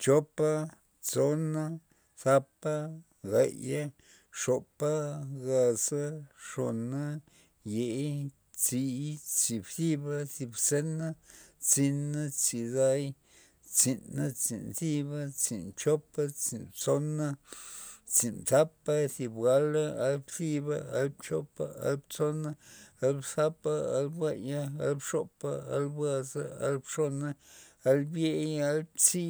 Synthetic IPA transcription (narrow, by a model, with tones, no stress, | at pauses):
t͡ʃo˦pa˦ | t͡so˦na˦ | θa˦pa˦ | ɡa˨ja˦ | ʂo˧pa˦ɡa˧sa˦ʂo˧na˦ | je˨j | t͡si˧t͡si˨bsi˦ba˦θi˧bse˦na˦t͡si˧na˦t͡si˧d̪a˦j | t͡si˨na˦t͡sḭ˨nsi˦ba˦t͡sḭ˨nt͡ʃo˦pa˦t͡si˨nt͡so˦na˦ | t͡si˨nt̪a˦pa˦si˨bɡa˦la˦a˧lbsi˧ba˧a˧l̚t͡ʃo˦pa˦a̰˧˦lbt͡so˦na˦a˦lbsa˦pa˧a˦lbwa˧ja˦a̰˧˦lbʂo˦˧pa˦˧a̰˧˦lba˧za˧a̰˦lbʂo˦na˦a˧lbje˦ja˦lbt͡si˦